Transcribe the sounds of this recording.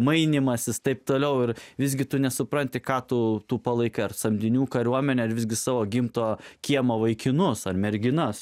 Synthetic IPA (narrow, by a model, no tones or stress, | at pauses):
mɐɪnʲɪmɐsʲɪst̪ɐɪp̚t̪oːlʲɛʊɪɾʋʲɪzʲɡʲɪt̪ʊnʲɛsʊpɾɐnʲt̪ʲɪkɑːt̪ut̪uːpɐlˠɐɪkɐɪɐrsɐmʲd̪ʲɪnʲuːkɐɾʲuɔmʲɛnʲɛɐɾʋʲɪzʲɡʲɪsɑːʋoːɡʲɪmt̪oːkʲiɛmoːʋɐɪkʲɪnʊsɐrmʲɛɾʲɡʲɪnɐs